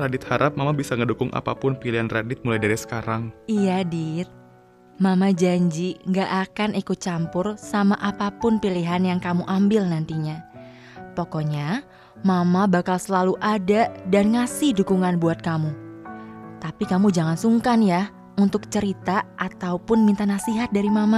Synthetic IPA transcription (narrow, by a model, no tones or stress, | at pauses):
radɪt̪̚haɾʔap̚mamabisaŋədukʊŋʔa̰papʊnpiliɦanradɪt̪̚mulajdaɾisə̥kaɾaŋʔijadit̪̚ | mamad͡ʒaɲd͡ʒiŋɡaʔakanikut͡ʃampʊrsamaʔapapʊnpiliɦanjaŋkamuʔambɪlnant̪iɲa | pɔkɔɲa | mamabakalsəlaluʔadadanŋasɪhdukuŋanbuat̪̚kamu | t̪apikamud͡ʒaŋansuŋkanja | unt̪ʊk̚t͡ʃəɾit̪aʔat̪aupʊnmint̪anasiɦat̪̚daɾimama